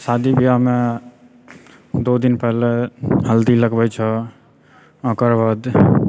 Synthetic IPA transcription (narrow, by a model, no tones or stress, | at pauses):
sad̪ibʱijame | d̪od̪inpɛɦleɦəld̪iləɡbɛt͡ʃʰə | ə̃kəɾbəd̪